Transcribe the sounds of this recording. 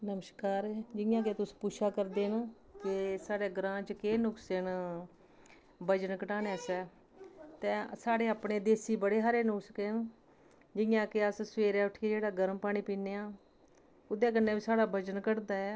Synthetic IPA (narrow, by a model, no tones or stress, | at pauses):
nəməʃkaːɾd͡ʒɪjãːk̬et̪ʊspuːʃaːkəɾd̪eːn | kɪsaːɽeːɡɾãːt͡ʃkeːnʊksen | bəd͡ʒənkəʈaːnɛːsɛː | t̪ɛ̃ːsaːɽeːaːpɳeːd̪eːsiːbəɽeːɦaːɾeːnʊkskeːn | d͡ʒɪjãːkeəssʋeːɾɛːʊʈʰːid͡ʒeːɽaːɡəɾmpaːɽ̃iːpiːneːaː | ʊd̪eːk̬ənːẽːbiːsaːɽaːbəd͡ʒənkəɽd̪aːɛː